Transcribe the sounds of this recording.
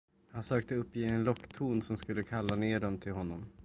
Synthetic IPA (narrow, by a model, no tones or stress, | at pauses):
hansøːk̚t̪əɵpːjeːɛnlɔkːt̪ʰuːnsɔmskɵlːəkʰalːaneːɖɔmt̪ʰɪlɦɔnːɔm